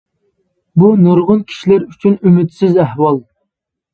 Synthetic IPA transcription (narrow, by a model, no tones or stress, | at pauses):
bunuɾʁʊnkʲʰi̥ʃilæɾyt͡ʃʰynymɪt̪sɪzæhwɑlˠ